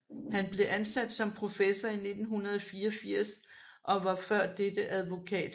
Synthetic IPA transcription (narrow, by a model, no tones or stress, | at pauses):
hænb̥le̝ʔænsæd̥sɒ̽mpʰʁo̝fesɐine̝d̥n̩ɦunɐð̞ˠɒ̽fiːɒ̽fiɐ̰s | ʔɒ̽ʋɑ̈fɶɐ̰dːed̥əʔæð̞ˠʋo̝kʰɛ̰ːd̥